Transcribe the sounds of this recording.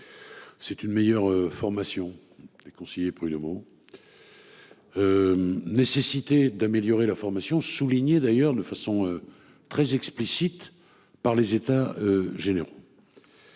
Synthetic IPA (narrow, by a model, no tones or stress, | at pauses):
sɛt̪ynmɛjœʁøfɔʁmasjɔ̃ | d̪̥ekɔ̃sejepʁyd̪omo | ønesesit̪ed̪ameljɔʁelafɔʁmasjɔ̃suliɲed̪ajœʁd̪əfasɔ̃ø | t̪χɛzɛksplisit̪ | paʁlezet̪aøʒeneʁo